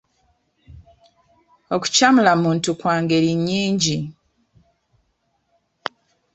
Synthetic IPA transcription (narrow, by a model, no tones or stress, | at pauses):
o̞ku̥camulamuːntukwaːŋɡe̞ɾiɲːiːɲɟi